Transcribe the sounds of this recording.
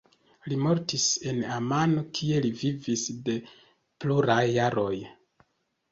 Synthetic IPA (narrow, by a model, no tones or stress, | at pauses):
limo̞ɾtise̞namano̞kʰie̞livivisde̞ | pluɾajːaɾo̞j